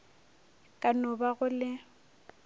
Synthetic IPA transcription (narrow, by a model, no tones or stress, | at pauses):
kʼanʊbaɣʊlɪ